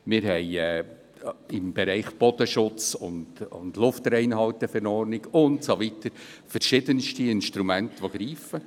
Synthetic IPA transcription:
mɪɾɦɛɪɛː | ɪmbɛɾɛɪχb̥ɔd̥əʃʊt͡sʊndʊ̰ndlʊftɾɛɪnhɑltəfɛɾɔɾnɪɡʊntsoʋitəɾfɛɾʃɪdənʃtiɪnʃt̪ɾumæntʋoɡɾiːfə

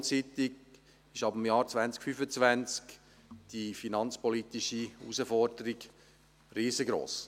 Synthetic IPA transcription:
t͡siːt̪ɪɡ | ɪʃɑbəmjɑːɾt͡svænt͡skfyfət͡svænt͡sk | d̥ifinɑnt͡spɔlit̪iʃiusəfɔɾdəɾiɡ̥ | riːzəɡɾo̰ːs

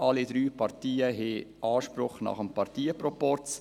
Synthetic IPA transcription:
ɑlid̪ɾyːpʰɑɾtiːəɦeɑːʃpɾʊχnɑ̰χəmpɑɾtiːəpɾɔpɔɾt͡s

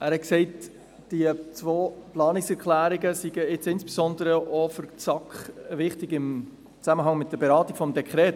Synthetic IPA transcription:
æːɾhɛtksɛɪt | d̥iət͡sʋoːplɑːnɪksɛɾkʰlæːɾiɡəsiɡəɪt͡sɪnsb̥esɔndəɾəʔofʏɾt͡sɑkχʋɪχtɪɡɪm | t͡sæməɦɑŋmɪt̚d̥əɾbeɾɑːt̪iɡ̥fɔmd̪ɛkʰχɾɛːt

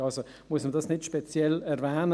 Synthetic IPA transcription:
ɑlso | muəsmədɑsnɪtʃpɛt͡sjɛlɛɾvɛːnə

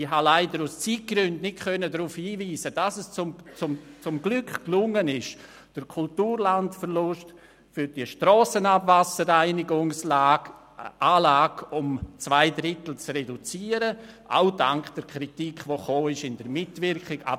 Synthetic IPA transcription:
ɪhɦalaɪdəɾust͡siːt̚ɡ̥ɾʏndnɪtkʰœnədɾuːfhiːviːsəd̥asɛst͡sʊmt͡sʊmt͡sʊmɡlʏkklʊŋənɪʃ | d̥əɾkʰʊltuːɾlantfəɾlʊst | fʏɾd̥iəʃtɾɔːsənabvasəɾaɪnɪɡʊŋslaːɡ̥ | ʔaːlaːɡ̥ʊmt͡svaɪdɾɪtl̩t͡srɛdut͡siːəɾəʔa̰ʊda̰ŋkd̥əɾkʰɾitikʰvoχoːɪʃɪndəɾmɪtvɪɾkɪɡa̰b

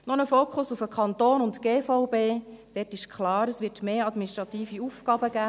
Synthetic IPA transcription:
nɔnəfoːkχʊsufəkχɑnt̪oːnʊntɡ̥eːfɔʊbeːd̥ɛtɪʃkʰlɑːɾəsvʋɪtmeːɑd̪miniʃt̪ɾʁɑt̪iːfiuːfkɑːbəɡ̥æː

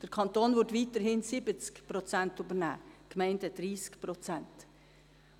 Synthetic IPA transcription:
d̥əɾkʰɑntoːnʋʊtʋiːtəɾhɪnsɪbət͡skpɾot͡sɛntybəɾnæ̰ːkmɛɪndəd̥ɾiːskpɾot͡sɛnt

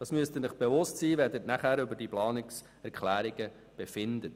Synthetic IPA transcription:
d̥ɑːsmyəstənɪχb̥eʋʊstsiːʋɛrdətnæχæːɾʏbəɾdiplɑːnɪks | ɛɾkʰlæːɾiɡ̥ə | b̥efɪnd̪ət

